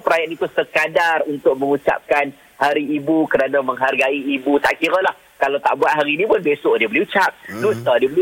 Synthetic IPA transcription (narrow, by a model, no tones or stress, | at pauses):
pəɾajat̪it̪usəkadarunt̪ʊk̚mə̃ŋut͡ʃa̰p̚kan | haɾiːbukəɾanamə̃ŋɦarɡaiːbut̪a̰ʔkiɾəlah | kalawt̪a̰ʔbuat̪̚ɦaɾinĩpʊnbesʊʔdiəbəliut͡ʃap̚lust̪adiəbəli